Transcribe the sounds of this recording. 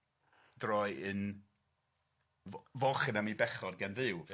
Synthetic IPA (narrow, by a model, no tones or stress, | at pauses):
d̥rɔɨɨn | vvɔχənamibɛχɔdɡɛnvɨw